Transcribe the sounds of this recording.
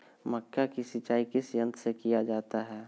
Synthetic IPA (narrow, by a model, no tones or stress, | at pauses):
məkːakisɪt͡ʃaːikɪsjə̃nt̪ʰsekijad͡ʒaːt̪aɦɛː